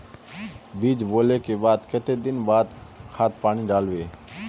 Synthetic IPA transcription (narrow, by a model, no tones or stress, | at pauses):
biːd͡ʒboːleːkeːbaːd̪kət̪eːd̪ɪnbaːd̪kʰaːt̪̚ʰpaːɳĩːɖaːlʋeː